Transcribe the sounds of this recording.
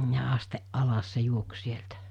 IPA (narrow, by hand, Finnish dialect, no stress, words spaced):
jɑ ɑsteʔ ʔɑlɑs se juoks sieltæ